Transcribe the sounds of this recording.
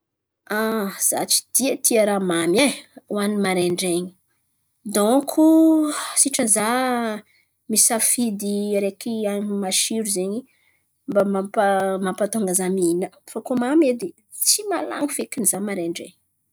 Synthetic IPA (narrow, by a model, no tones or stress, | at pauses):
az̥a̰t͡ʃi̥d̪̥iət̪ʰiəɾamamjeuanimaɾeɳɖ͡ʐeɲi̥ | d̪ɔŋkʰusiʈ͡ʂəza | misafid̪iɾekiaɲimaʃiɾuzeɲi | mbamapamampat̪oŋɡazamiinəfakomamed̪e | t͡simala̰ŋifekinizamaɾeɳɖ͡ʐḛɲ